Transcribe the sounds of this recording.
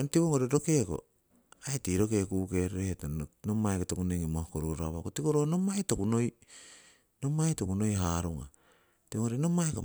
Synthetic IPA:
enotiβoŋoɾeɾo̞ke̞ko̞̰ | ajtiɾo̞ke̞kuke̞ɾetanomajkotokuneŋimokoɾuɾaβakotikoɾono̞majtokuno̞j | no̞majtokuno̞jɦaɾuŋa̰ | tiβoŋoɾenomajko

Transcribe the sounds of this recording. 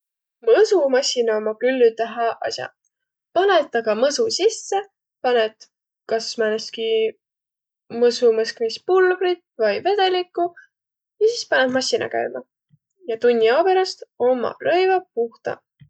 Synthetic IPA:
mɤsumɑsʲinɑomɑkylːyt̪æɦɑʔɑ̰sjɑ̰ | pɑne̞t̪ːˑɑɡɑmɤsusisːe̞ | pɑnet̪ | kɑsmæneski | mɤsumɤskmispulb̥rit̪vɑjve̞d̪̥e̞likːˑu | jɑsispɑnet̪mɑsinɑ̰kæ̰jmɑ | jɑt̪unʲːiope̞ɾɑst̪o̞mːɑ̰rɤ̞jvɑpuht̪ɑ̰

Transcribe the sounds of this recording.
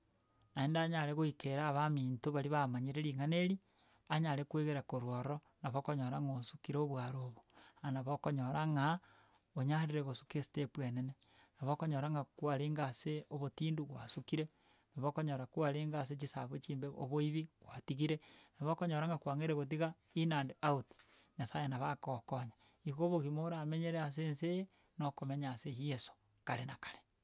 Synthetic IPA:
aendaːɲaɾeɣoikeɾaːβamiːntoβaɾiβamaɲeɾeɾiŋaneɾi | aɲaɾekweɣeɾakoɾwɔɾɾɔ | naβokoɲoɾaŋosukiɾeoβwaɾoβoanaβokoɲoɾaŋa | oɲaɾiɾeɣosu̥kesi̥tepuenenenaβokoɲoɾaŋɡakwaɾeːŋɡaːseoβotiːnduɣwa̰sukiɾe | naβokoɲoɾakuaɾeːŋɡas̬et͡ʃisa̰βwet͡ʃiːmbeo̰βoiβiɣwatiɣiɾenaβokoɲoɾaŋɡakwaŋeɾeɣot̬iɣa | inaːndeaoti̥ɲasajenaβakokoɲa | ikoβoɣimoɾameɲeɾeas̬ense | nokomeɲaːsejeso̥ | kaɾenakḁɾe̥

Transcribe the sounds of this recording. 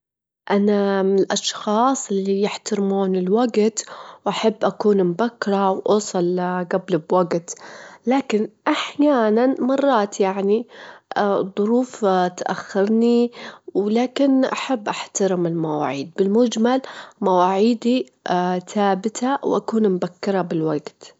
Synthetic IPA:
ʔanamɪnɪlʔɑʃxɑːsˤʔɪlːijɪħt̪aɾɪmuːnɪlwaɡt̪wʔaħabːʔakuːnmbakːɾˤɑwʔuːsˤɑlɡablɪbwaɡt̪laːkɪnʔaħjaːnanmɑrˤːɑːt̪jaʕni | ðˤʊɾuːft̪ʔa̰xːɪɾniwlaːkɪnʔaħabːʔaħt̪aɾɪmɪlmawa̰ːʕiːd̪̚bɪlmʊd͡ʒmalmawaːʕiːd̪i | θaːbɪt̪ʰawʔa̰kuːnmbakːɪɾˤɑbɪlwaɡt̪

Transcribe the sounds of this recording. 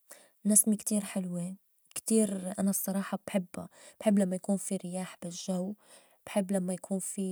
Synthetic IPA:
nasmikt̪iːɾħɪlwe | kt̪iːɾʔanasˤːɑɾˤɑːħɑbħɪbːa̰b̥ħɪbːlamːajakuːnfiɾɪjaːħbɪʒaw | b̥ħɪbːlamːajakʰuːnfi

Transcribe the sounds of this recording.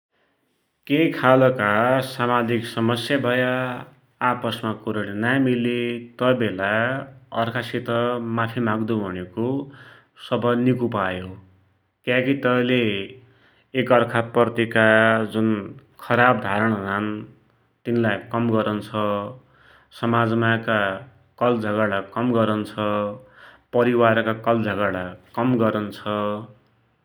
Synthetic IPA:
kejkʰalʌkasamad͡ziksʌmʌsjabʱʌja | apʌsmakuɾʌlenajmilet̪ʌbelaʌrkʰasit̪ʌmapʰimaɡd̪ubʱʌneko | sʌbʌnikupajo | kjãkit̪ʌle | kʌrkʰapʌrt̪ikad͡zunkʰʌɾabd̪ʱaɾʌɽ̃ʌd͡zan | t̪inlajkʌmɡʌɾʌnt͡sʰʌ | sʌmad͡zmaka | kʌld͡zʱʌɡalakʌmɡʌɾʌnt͡sʰʌ | pʌɾiwaɾkakʌld͡zʱʌɡaɾɽakʌmɡʌɾʌnt͡sʰʌ

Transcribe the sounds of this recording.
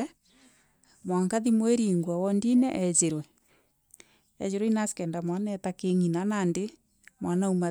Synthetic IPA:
mwaŋkaðimweɾiːŋɡwawɔndinɛʔɛd͡ʒeɾwɛ | ɛ̰d͡ʑeɾwɛinaskɛndamwanɛtakeŋinanande | mwanauma

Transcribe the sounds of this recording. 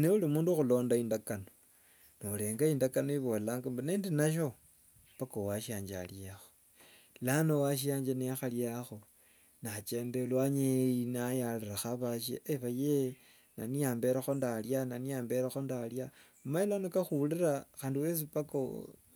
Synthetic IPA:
neulimuːnduxulo̞ːndaindakano | nole̞ːŋɡaindakanoiβollaːŋɡambaneːndinaʃ̬o | pakowaʃaːɲd͡ʒa̰ljaxo | lanowaʃ̬iaːɲd͡ʒanexaljaxo̞ | nat͡ʃe̞ːndelwaɲejinajaleraxaβaʃḛːβaje | na̰nijaːmbe̞ɾaxondaljananijaːmbeɾaxondalja | mailanokaxuliɾaxaːndiwes̬ipako̰

